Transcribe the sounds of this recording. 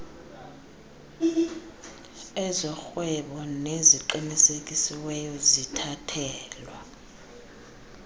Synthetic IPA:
ɛzɔxwɛɓɔneziǃinisekʼisiwɛjɔzitʰatʰɛːlwa

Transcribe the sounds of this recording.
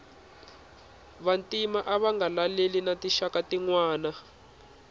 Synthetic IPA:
βantʼimaʔaβaŋɡalalelinatiʃakatiŋwaːna

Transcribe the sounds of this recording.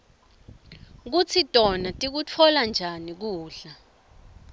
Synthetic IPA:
k̬ut͡sʰitʼɔnatʼik̬ut͡fʰɔland͡ʒʱanik̬uːɬa

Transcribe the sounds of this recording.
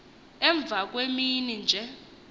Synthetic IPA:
ɛɱb̪vʱak̬ʼweminind͡ʒʱɛ

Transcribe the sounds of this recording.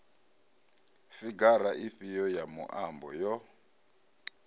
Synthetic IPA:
fiɡaɾaʔiɸijɔjamṵʔambɔjɔ

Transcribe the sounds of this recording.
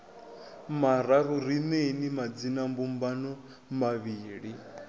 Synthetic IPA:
maɾaɾuɾinenimad͡zinambumbanɔ | maβiːɺi

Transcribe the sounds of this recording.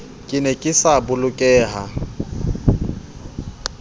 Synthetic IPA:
kʼɪnɛkʼɪsabʊlʊkʼɛːɦa

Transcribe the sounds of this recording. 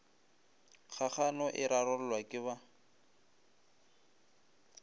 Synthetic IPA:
χʰaχanɔʔɪɾaɾɔl̩lwakʼɪβa

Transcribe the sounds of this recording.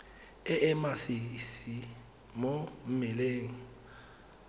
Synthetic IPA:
ɛʔɛmasisi | mɔm̩mɛleːŋ̩

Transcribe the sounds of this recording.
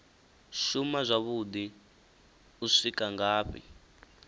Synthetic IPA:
ʃumazʷaβud̪i | uʂikaŋɡaːɸḭ

